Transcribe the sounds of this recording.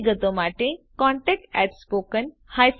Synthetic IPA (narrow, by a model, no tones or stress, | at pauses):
ɡət̪omaʈẽkɔ̃ɳʈek̚ʈɛʈspokən | hajs